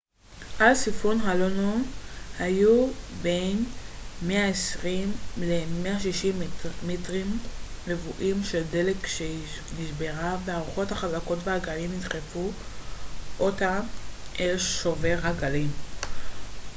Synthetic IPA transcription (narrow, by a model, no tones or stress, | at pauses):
ʔalsifunɦalonohajubenmeaesʁimlemeaʃiʃimːitʁimlevuʔimʃe̞lde̞lekʃe | niʃbe̞ʁaveaʁuχo̞thaχazako̞tvehaɡalimit̪χefu | ʔotaʔelʃoveʁɦaɡalim